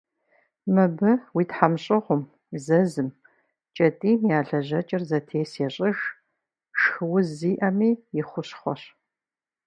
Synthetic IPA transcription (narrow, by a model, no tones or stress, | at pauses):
mɨbɨwiːtħamɕʼɨʁʷʊm | zɐzɨm | t͡ʃʼɐtʼiːnjaːɮɐʑɐt͡ʃʼɪrzɐtʰeːseɕʼɪʒ | ʃɨwʊziːʔɐmiːjɪχʷʊɕχʷɔ̰ɕ